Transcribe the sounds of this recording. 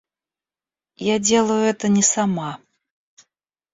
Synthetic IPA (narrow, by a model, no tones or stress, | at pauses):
jad͡zʲelˠəjʊɛt̪ənʲɛsama